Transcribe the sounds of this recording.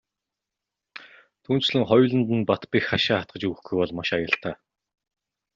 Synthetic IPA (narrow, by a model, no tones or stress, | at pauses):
t̪ʰuːnt͡ɕɮɘ̆ŋχɔjɮə̆nt̪ə̆npat̪pixχaʃaːχat̪̚ɢə̆t͡ɕɵɣɘ̆xɡujpɔɮmaʃajə̆ɬt̪aː